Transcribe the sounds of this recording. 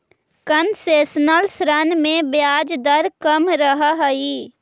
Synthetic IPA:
kənseːsnəlsɾənmẽbjaːd͡ʒd̪əɾkəmɾəɦəɦəi

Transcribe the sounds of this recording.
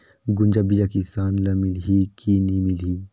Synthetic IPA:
ɡund͡ʒabid͡ʒakisaːnlɐmilɦikinimilɦi

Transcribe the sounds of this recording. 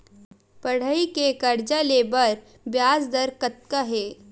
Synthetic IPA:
pɐɽ̤əikekɐɾd͡ʒaleːbəɾ | bjaːsd̪ɐɾkət̪̚kaɦeː

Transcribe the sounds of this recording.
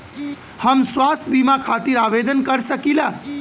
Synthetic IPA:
həmswast̪ʰbimakʰat̪iɾabed̪ənkəɾsəkila

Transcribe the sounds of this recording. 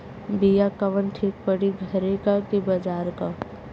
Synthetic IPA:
bijakɐʋənʈʰiːk̚pəɽiɡʱɐɾekakibɐd͡ʒaːɾka

